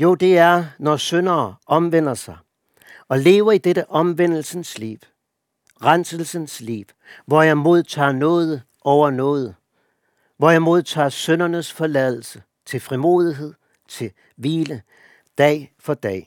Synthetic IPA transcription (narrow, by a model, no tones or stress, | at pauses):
jo̝d̥e̝æɐnɒsønɐːɒ̽mʋen̰ɐsɑ̈ɪ | ɒ̽le̝ːʊɐid̥eɾ̥əʔɒ̽mʋen̰l̩sənslḭʋ | ʁansəl̩sənslḭːʋ | ʋɒjɑɪmo̝ð̞ˠt͡sʰɑ̰̈ːnɔ̽ːð̞ˠə | ʔɒʊɐnɔ̰̽ːðˠə | ʋɒjamo̝ð̞ˠt͡sʰɑ̰̈ːsønɐnəsfɒ̽lɛðˠl̩sə | t͡sʰe̝lfʁimo̝̰ːð̞ˠiɦe̝ð̞̰ˠ | t͡sʰe̝ | ʋiːlə | d̥ɛ̰ːɪfɒ̽d̥ɛ̰ː